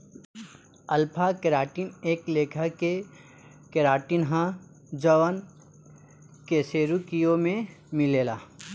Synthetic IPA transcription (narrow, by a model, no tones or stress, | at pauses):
ɐlpʰakɪɾaːʈineːkleːkʰəke | kɪɾaːʈinɦã | d͡ʒəʋən | keseːɾukijomẽmɪleːlaː